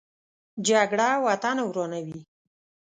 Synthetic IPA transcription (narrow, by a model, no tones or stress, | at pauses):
d͡ʒaɡɽawat̪anawɾonawi